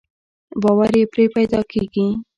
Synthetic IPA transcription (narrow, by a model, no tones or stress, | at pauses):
bɑwaɾjepɾepajd̪ɑkʰeɡi